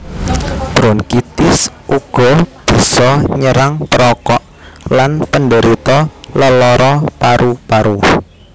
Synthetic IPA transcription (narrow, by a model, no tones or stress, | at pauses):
b̥ɾɔnkit̪ɪsʔuɡ̥ɔ̤b̥i̤sɔɲəɾaŋpəɾɔkɔʔ | lanpənɖəɾit̪ɔləlɔɾɔpaɾʔupaɾu